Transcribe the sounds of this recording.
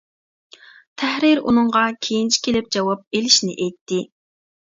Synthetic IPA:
t̪ʰɛhɾɪɾṵnɨŋʁɑkʲʰejint͡ʃʰi̥kʲelɪp̚d͡ʒɑwɑp̚elɪʃnɪ̰ʔɛjt̪ʰːɪ

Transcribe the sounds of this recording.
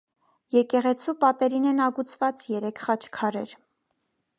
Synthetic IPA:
jɛkɛʁɛt͡sʰupɑt̪ɛɾinɛnɑɡut͡sʰvɑt͡sjɛɾɛkʰχɑt͡ʃʰkʰɑɾɛɾ

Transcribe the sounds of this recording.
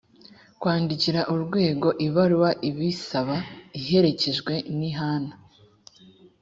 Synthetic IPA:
kwaːndiciɾaʔuɾɡwe̞ːɡo̞ʔiβaɾuwaʔiβisaβaiɦe̞ɾe̞ce̞ʒɡwe̞niɦaːna

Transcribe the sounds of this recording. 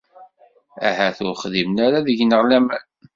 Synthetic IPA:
æ̰hæθʊɾχðimnaɾaðəʝnəʁlæmæn

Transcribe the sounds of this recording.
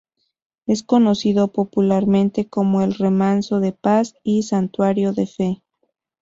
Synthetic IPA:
e̞sko̞no̞siðopo̞pulaɾmẽ̞nt̪e̞ko̞mo̞elre̞mãnso̞ðe̞pasisant̪waɾjo̞ðe̞fe̞

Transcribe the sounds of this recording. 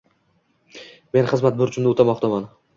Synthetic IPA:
me̞nχɨzmat̪̚bʊɾt͡ʃʰʊmnot̪ʰamɒqt̪ʰaman

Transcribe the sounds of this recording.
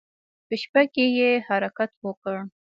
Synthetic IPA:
pəʃpakejehaɾakat̪wəkəɽ

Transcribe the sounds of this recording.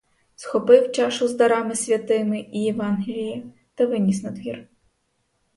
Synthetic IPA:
sxɔpɪwt͡ʃɑʃʊzd̪ɐɾɑmɪsʲʋʲɐt̪ɪmɪijɛʋɑnɦʲɪlʲiji | t̪ɐʋɪnʲis̬nɐd̪ʋʲir

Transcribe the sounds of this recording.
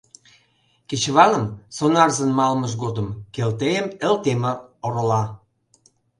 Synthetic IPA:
ket͡ɕβɑnə̆msonɑrzə̆nmɑlməʃ̬ɡod̪ə̆mkelt̪ejəmə̆lt̪eməoɾəlɑ

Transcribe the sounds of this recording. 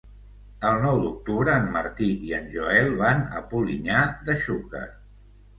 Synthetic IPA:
əlˠnɔwd̪uk̚t̪uβɾəːmːə̰ɾt̪iiənʲʒuɛlˠβanə̰puliɲad̪əʃukə̰ɾ

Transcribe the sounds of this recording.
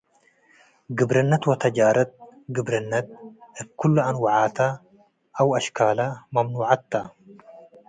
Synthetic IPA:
ɡɪbɾɐnːɐt̪wɔt̪ɐd͡ʒaːɾɐt̪̚ɡɪbɾɐnːɐt̪̚ɪbkʊlːɐɐnwɐʕaːt̪ɐ | ʔɐwɐʃkaːlɐmɐmnuːʕat̪ːɐ

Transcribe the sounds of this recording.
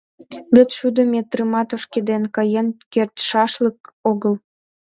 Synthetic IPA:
βʲet̪ʃud̪əmet̪rɨmɑt̪oʃked̪enkɑjenkert̪ʃɑʃlək̚oɣəl

